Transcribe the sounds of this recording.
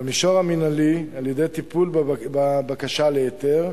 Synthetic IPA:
amiʃoʁaminalialjed̪ejat̪ipulbabakaʃaleet̪eʁ

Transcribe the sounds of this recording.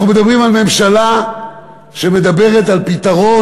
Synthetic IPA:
nume̞d̪abʁimalme̞mʃala | ʃeme̞d̪abe̞ʁet̪alpit̪aʁo̞

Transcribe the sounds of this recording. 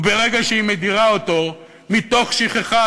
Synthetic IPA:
be̞ʁe̞ɡaʃeime̞d̪iʁaoto̞ | mito̞χʃiχeχa

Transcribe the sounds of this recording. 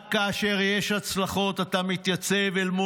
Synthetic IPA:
kaːʃe̞ʁjeʃhat͡slaχo̞t̪at̪amit̪jat͡se̞velmu

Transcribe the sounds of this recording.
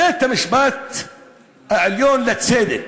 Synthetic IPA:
eːt̪amɪʃbaːt̪ | ɪljoːnlat̪seːd̪ɪd

